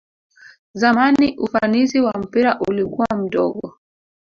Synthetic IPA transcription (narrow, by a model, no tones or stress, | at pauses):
zamaniʔufanisiwam̩piɾaʔulikuwam̩ɗɔ̰ɠɔ